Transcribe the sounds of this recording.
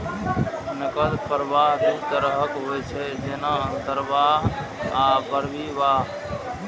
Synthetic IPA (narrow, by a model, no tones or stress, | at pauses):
nəkəlpʰəɾbaɦd̪it̪əɾəɦəkɦojt͡ʃʰɛd͡ʒenaənt̪əɾbaɦɦapəɾbiʋaɦ